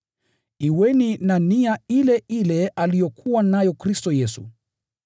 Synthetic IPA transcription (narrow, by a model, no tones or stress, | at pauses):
iwɛninaniailɛʔilɛʔalijɔkʰuwanajɔkɾistɔjɛsṵ